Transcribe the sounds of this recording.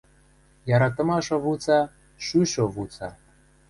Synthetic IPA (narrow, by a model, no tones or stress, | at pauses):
jɑɾɑt̪ɤ̆mɑʃoβut͡sɑ | ʃyʃoβut͡sɑ̰